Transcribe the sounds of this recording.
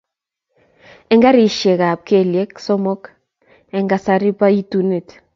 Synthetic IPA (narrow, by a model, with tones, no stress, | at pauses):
ɛ˦ŋɡa˦ɾi˨ʃe˨ka˨p̚ke˦˨lje˦ksɔ˦mɔ˦k | ɛ˨ŋɡa˨sa˨ɾi˦pa˦i˦tu˨ne˨t